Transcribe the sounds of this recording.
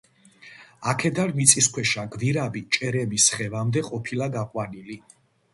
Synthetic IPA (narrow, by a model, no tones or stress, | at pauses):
akʰɛd̪aɾmit̪sʼiskʰwɛʃaɡviɾabit͡ʃʼɛɾɛmisχɛvamd̪ɛqʼɔpʰilaɡaqʼwanili